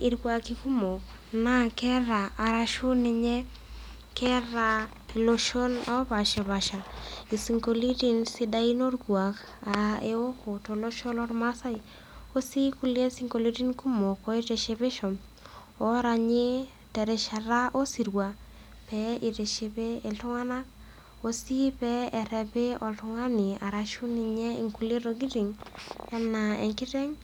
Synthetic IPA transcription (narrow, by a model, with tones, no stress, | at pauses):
i˨ɾɡwa˦ki˦ku˦mo˨ | na˦kɛ˦ɾa˨a˨ɾa˦ʃʊ˦nɪ˧ɲɛ˦ | kʰɛ˦ɾa˨ | i˨lo˦ʃo˦na˦ba˨ʃe˨βa˨ʃa˨i˨si˨ŋko˨li˦di˦nsɪ˦da˦i˦no˦ɾɡwa˨k | a˨e˦o˦ko˨to˨lo˦ʃo˦lɔ˦ɾma˦sa˦i˨ | o˦si˦ku˦le˦si˦ŋko˨li˦ɾi˦nku˦mo˨kɔ˦i˦te˨ʃe˧be˦ʃɔ˨m | ɔ˦ɾa˨ɲe˦ | tɛ˨ɾɛ˨ʃa˨ɾa˦ʔo˦si˨ɾwa˨ | pɛi˨te˨ʃe˨be˦e˨ltʊ˦ŋa˦na˦k | o˦si˦pɛ˦ɛ˨ɾɛ˨be˦ɔ˨ltʊ˦ŋa˦ni˨a˨ɾa˨ʃu˦ni˨ɲɛ˦i˨ŋku˦le˦ɾo˦ɡi˦ɾi˨ŋɛ˦na˨ɛ̰˨ŋkɪ˦tɛ˦ŋ